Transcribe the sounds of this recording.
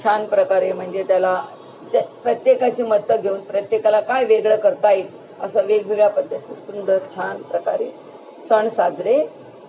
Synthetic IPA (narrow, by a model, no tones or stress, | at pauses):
t͡ɕʰanpɾəkaɾem̤əɳd͡ʑet̪jala | pɾət̪jekat͡ɕiːməd̪ːəɡʱeuːnpɾət̪jekalakajʋeɡɭəkəɾt̪aj | ə̰səʋeɡʱiʋjapəd̪ʱːət̪iːsund̪əɾt͡ɕʰanpɾəka̰ɾe | səɳsad͡zʱɾe